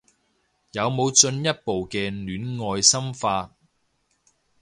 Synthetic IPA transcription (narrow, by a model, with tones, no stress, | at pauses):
jɐ˨˧wmo˨˧wt͡ʃɵ˧njɐ˥t̚po˨wkɛː˧nyː˨˥nŋɔː˧jsɐ˥mfaː˧